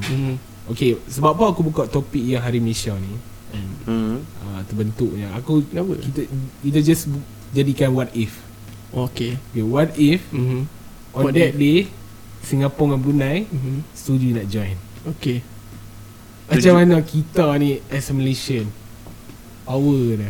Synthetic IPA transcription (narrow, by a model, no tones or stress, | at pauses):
okesəbap̚paakubukaʔt̪opik̚jãŋɦaɾiməleʃani | ɛ̃n | at̪əbənt̪uʔ̚ɲaakukit̪akit̪ad͡ʒasb | d͡ʒadikãnwatif | okeokewat̪if | ɔ̃dɛt̚de | siŋapɔŋãnbunãjst̪udunɔt̚d͡ʒɔ̃jn | oke | ad͡ʒamanakit̪aniʔɛsməleʃən | pawəna